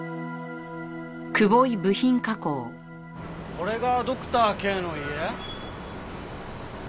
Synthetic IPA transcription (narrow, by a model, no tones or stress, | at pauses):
kɯ̟boibɯ̟çĩŋkakoː | koɾe̞ɡad̪o̞kɯ̟̥t̪aːkeːnoie